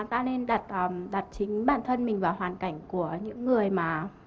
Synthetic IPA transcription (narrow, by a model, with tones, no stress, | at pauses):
t̪a̰ː˧ne˧nɗa˨˩t̚ʔːmɗa˨˩t̚t͡ɕï˨˦ŋ̟ɓaː˧˩nt̪ʰə˧nmï˨˩ŋ̟vaː˨˩whwaː˨˩nka˧˩jŋ̟ku˧˩əɲɨ̰˧˥ŋːɨ˨˩əjmaː˨˩